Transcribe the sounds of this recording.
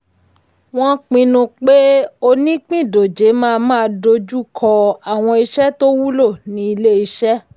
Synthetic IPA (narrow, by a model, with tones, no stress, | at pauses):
w̃ɔ̃˦k͡pĩ˧nũ˧k͡pe˦o˧nĩ˦k͡pĩ˦˨do˨d͡ʒe˨˦mãː˦˧mãː˦˧do˧d͡ʒu˦kʰɔ˧a˨w̃ɔ̃˧i˧ʃɛ˦to˦wu˦lo˦˨nĩ˧˦i˧le˦i˧ʃɛ˦